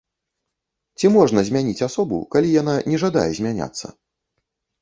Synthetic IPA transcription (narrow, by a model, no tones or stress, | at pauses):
t͡sʲimɔʐnɐzʲmʲanʲit͡sʲasɔbṵkalʲijananʲɛʐad̪a̰jɛzʲmʲanʲa̰t̪sːɐ̰